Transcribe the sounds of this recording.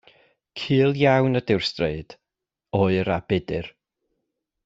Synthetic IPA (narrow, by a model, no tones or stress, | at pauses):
kʰɨːlˠjawnədɪwrsdreɨd̥ | ɔːɨɾab̥ɪdɨr